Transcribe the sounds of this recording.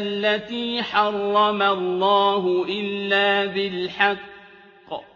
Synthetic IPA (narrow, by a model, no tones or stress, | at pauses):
lːat̪iːħɑrˤːɑmalˤːɑːɦʊʔɪlːaːbɪlħɑqː